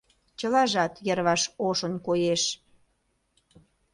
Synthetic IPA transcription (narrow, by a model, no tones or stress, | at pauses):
t͡ɕəlɑʒɑt̪jərβɑʃoʃə̆nkojeʃ